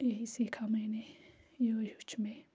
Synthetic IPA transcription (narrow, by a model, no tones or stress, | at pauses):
eɦisiːkʰamɛ̃ːnejoːɦʊt͡ʃʰmẽː